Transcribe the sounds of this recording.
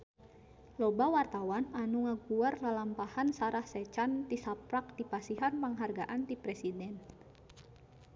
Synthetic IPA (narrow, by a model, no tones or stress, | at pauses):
lɔbawart̪awananuŋakuarlalampahansaɾahsɛt͡ʃant̪isapɾak̚d̪ipasiɦanpaŋɦarɡaʔant̪ipɾɛsidɛn